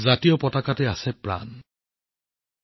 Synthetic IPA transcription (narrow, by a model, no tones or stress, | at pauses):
zatijɔpɔtakatɛasɛpɹa̰n